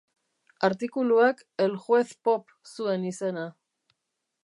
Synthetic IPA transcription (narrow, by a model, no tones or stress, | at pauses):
aɾt̪ikuluak | elʝwe̞θpo̞p | sue̞nisena